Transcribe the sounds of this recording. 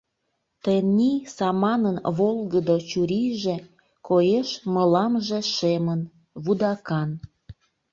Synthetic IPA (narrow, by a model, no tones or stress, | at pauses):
t̪ənʲːisɑmɑnənβolˠɣəd̪ot͡ɕuɾiʒe | kojeʃməlɑmʒe̽ʃemən | βud̪ɑkɑn